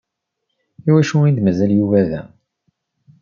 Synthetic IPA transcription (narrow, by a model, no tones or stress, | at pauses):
iwæʃuind̪mæzæljuvæðæ